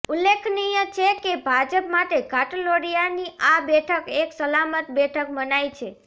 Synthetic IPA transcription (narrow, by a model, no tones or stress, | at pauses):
ulːekʰnijət͡ʃʰekebʱad͡ʒəpmaʈekaʈoloɾijaniʔabɛʈʰəkeksəlamət̪bɛʈʰək̚mənajt͡ʃʰe